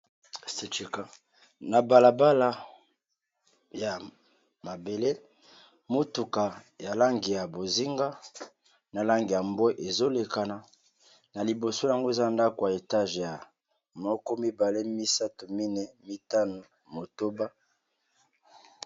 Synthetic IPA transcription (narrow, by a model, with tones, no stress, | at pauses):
se˨t͡ʃe˨ka˦ | na˨ba˨la˨ba˦la˨ | ja˨ | ma˨be˨le˦ | mo˦tu˨ka˨ja˨la˦ŋɡi˨ja˨bo˨zi˦ŋɡa˦ | na˨la˦ŋɡi˨ja˨mbɛ˦ʔe˨zo˦le˨ka˨na˨ | na˨li˨bo˨so˦ja˨ŋɡo˦e˨za˦nda˦ko˨a˨e˨ta˦ʒja˨ | mɔ˦kɔ˦mi˦ba˨le˦mi˦sa˦to˨mi˦nɛ˦mi˦ta˦no˨ | mo˨to˦ba˦